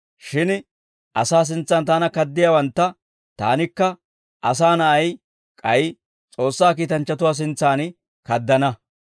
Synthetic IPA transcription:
ʃɪn | ʔɐsaːs̬ɪnt͡sːɐnt̪aːnɐkɐd̪ːɪjaːwɐnt̪ːɐ | t̪a̰ːnɪkːɐ | ʔɐs̬aːnɐʔɐj | kʼɐj | t͡sʼo̞ːsːaːk̬iːt̪ɐnt͡ʃːɐt̪ʊwaːs̬ɪnt͡sːaːn | kɐd̪ːɐnɐ

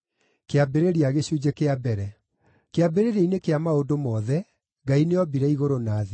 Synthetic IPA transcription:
keabeɾeɾiaɣeɕud͡ʑekeabɛɾɛ | keabeɾeɾeinekeamaodomɔːðɛ | ɡaineɔbiɾɛiɣoɾonaːðe

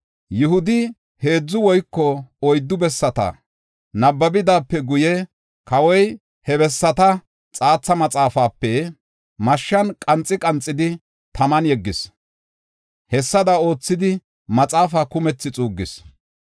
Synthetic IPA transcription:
jʊhʊd̪ɪ | he̞ːd͡zːʊwɔjkːɔɔjd̪ːʊbɛsːɐt̪ɐ̰ | nɐbːɐbɪd̪aːpːɛɡʊjɛ | kɐwɔj | hɛbɛsːɐt̪ɐ | t͡sʼaːt͡sːɐmɐt͡sʼaːfaːpːɛ | mɐʃːɐnkʼɐnt͡sʼːɪkʼɐnt͡sʼːɪd̪ɪ | t̪ʰɐmɐnjɛɡːɪs | hɛsːɐd̪ɐo̞ːt͡sːɪd̪ɪ | mɐt͡sʼaːfakʊmɛt͡sːɪt͡sʼuːɡːɪs

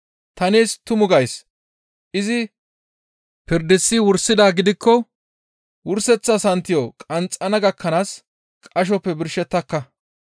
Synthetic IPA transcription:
t̪ɐneːst̪ʊmʊɡɐjs | ʔɪzɪ | pɪɾd̪ɪsːɪwʊɾsːɪd̪aːɡɪd̪ɪkːɔ | wʊɾsɛt͡sːɐsɐnt̪ːɪjokʼɐnt͡sʼːɐnɐɡɐkːɐnaːs | kʼɐʃ̬ɔpːɛbɪɾʃɛt̪ːɐkːɐ

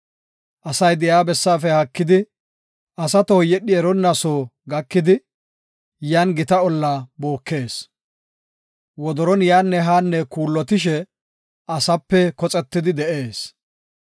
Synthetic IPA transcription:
ʔɐsɐjd̪ɪjaːbɛsːaːfɛhɐkːɪd̪ɪ | ɐsɐt̪ɔɔjɛɗɪɛɾɔnːasoːɡɐkːɪd̪ɪ | jaːnɡɪt̪ɐɔlːaːboːkːe̞ːs | wɔd̪ɔɾɔnjaːnːɛɦaːnːɛkuːlːɔt̪ɪʃɛ | ʔɐsɐpːɛkɔt͡sʼɛt̪ːɪd̪ɪd̪ɛʔe̞ːs

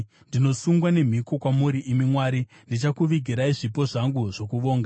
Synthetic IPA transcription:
ndino̞suŋɡwane̞m̤iko̞kwamuɾiʔimimwaːɾi | ndit͡ʃakuʋiɡʱiɾaiʐipo̞ʐaŋɡuʐo̞kuʋo̞ːŋɡa

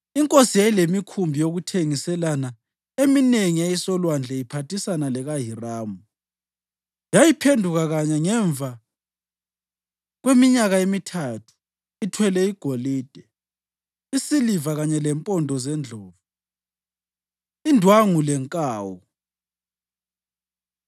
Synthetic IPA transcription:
iŋkʼosijajilemikʰumbʱijoɣutʰeŋisɛlana | emineŋijajisɔlwand͡ɮʱɛipʰatisanalɛɣaɦiraːmu | jajipʰendʱuɣaɣaɲaŋɛɱbvʱa | ɣwemiɲaɣaemitʰatʰu̥ | itʰwɛlɛiɡ̥ʱoliːd̥ʱɛ | isilivaɣaɲɛlɛmpʼɔndʱɔzɛnd͡ɮʱɔːvu | indʱwaŋulɛŋkʼaːwɔ

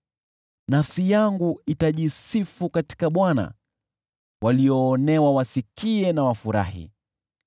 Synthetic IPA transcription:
nafsijaŋɡuitaʄisifukati̥kaɓwana̰ | wʔaliɔːnɛwawasikiɛnawafuɾa̰hḭ

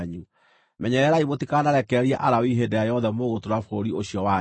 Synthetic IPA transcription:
ɲu | mɛɲɛɾɛɾaimotikanaɾɛkɛɾiɛʔaɾawiɦedɛjajɔðɛmoɣotoɾafɾoɾioɕjɔwa

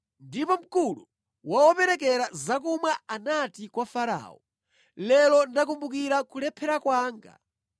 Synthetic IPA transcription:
ndipɔm̩kulu | wawɔpɛɾɛk̬ɛɾazak̬umwaanatikwafaɾa̰ːɔ | lɛlɔndak̬umbukiɾakulɛpʰɛɾakwaːŋɡa̰

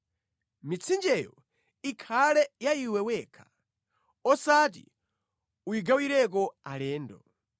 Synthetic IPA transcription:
mit͡sʰind͡ʒɛjɔ̰ | ikʰalɛjaiwɛwɛkʰḁ | ɔsat̬ḭ | uiɡawiɾɛk̬ɔalɛːndɔ

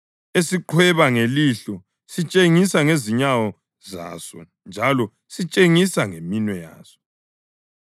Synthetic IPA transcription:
esiǃʰwɛβaŋeliɬɔ | sit͡ʃʼeŋisaŋeziɲawɔ | za̰sɔ̰ | nd͡ʒʱalɔ | sit͡ʃʼeŋisaŋeminwɛja̰ːsɔ̥

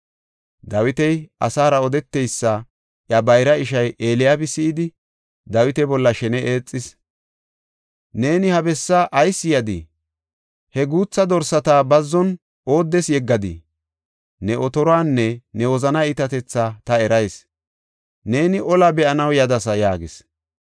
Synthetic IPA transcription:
d̪ɐwɪt̪ɛjʔɐsaːɾɐɔd̪ɛt̪ːɛjsːɐ | ʔjɐbɐjɾɐɪʃɐjʔeːlɪjaːbɪsɪɪd̪ɪ | d̪ɐwɪt̪ɛbɔlːɐʃɛnɛʔeːt͡sʼːɪs | ne̞ːnɪhɐbɛsːaʔɐjsːɪjɐd̪ɪ̰ | hɛɡuːt͡sːɐd̪ɔɾsɐt̪aːbɐzːɔn | ʔo̞ːd̪ːɛsjɛɡːɐd̪ɪ̰ | nɛʔɔt̪ɔɾɔaːnːɛnɛwɔzɐnɐɪt̪ɐt̪ɛt͡sːat̪ɐɛɾɐjs | ne̞ːnɪʔɔlɐbɛʔɐnɐwjɐd̪ɐsɐjaːɡɪs

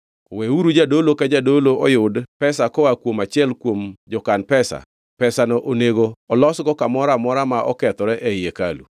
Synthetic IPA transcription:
koweuɾud͡ʒadolokad͡ʒadoloɔjʊdpɛsakɔwakwomat͡ʃɪɛlkwomd͡ʒɔkanpɛsa̰ | pɛsanɔʔoneɡoɔlɔsɡɔkamɔɾamɔɾamaʔɔkɛt̪ɔɾɛʔɛjeka̰lṵ

